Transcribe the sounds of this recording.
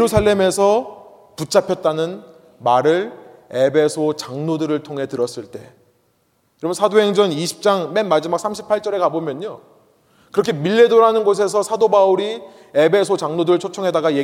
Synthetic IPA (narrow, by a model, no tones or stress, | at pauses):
eɾusʰaɭːe̞me̞sʰʌ | put͡ɕ͈apʰjʌt̚t͈anɯn | maɾɯɭe̞be̞sʰot͡ɕaŋnodɯɾɯɭtʰoŋɦe̞tɯɾʌs͈ɯɭt͈e̞ | kɾʌmʌnsʰadoɦeŋd͡ʑʌniɕʰi̥p̚t͡ɕ͈aŋmenmad͡ʑimak̚sʰamɕʰi̥pʰaɭt͡ɕ͈ʌɾe̞kabomjʌɲo | kɯɾʌkʰemiɭːe̞doɾɦanɯnɡos̬ʰe̞s̬ʰʌsʰadobauɾi | e̞be̞sʰot͡ɕaŋnodɯɾɯɭt͡ɕʰot͡ɕʰʌŋɦe̞daɡaje